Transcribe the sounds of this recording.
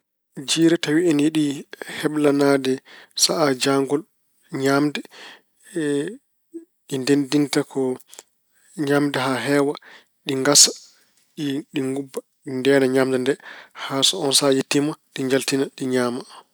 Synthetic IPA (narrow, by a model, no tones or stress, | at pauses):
d͡ʒiːɾɛtawiɛnjeɗihɛɓlanadɛsaʔad͡ʒaŋɡɔl | ɲamdɛ | ɗindendintakʰɔ | ɲamdɛɦaɦɛːwa | ɗiŋɡasḁ | ɗiɗiŋɡubːa | ɗindɛːnaɲamdɛndɛhasɔɔnsajetːimaɗiɲd͡ʒaltinaɗiɲaːma